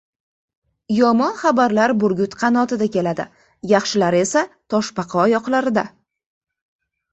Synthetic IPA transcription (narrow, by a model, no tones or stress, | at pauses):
jɒmɒnχɑbaɾlaɾbʊɾɡʲʊt̪qʰɑnɒt̪ɪd̪akʲe̞lad̪ɪ̰ | jɑχʃɪlaɾe̞sat̪ʰɒʃpɑqʰɑɒjɒqlaɾɪd̪a